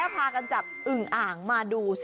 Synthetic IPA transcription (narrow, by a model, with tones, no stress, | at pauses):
pʰaː˧ka˧nt͡ɕaː˨˩p̚ʔɯ˨˩ŋʔaː˨˩ŋmaː˧duː˧s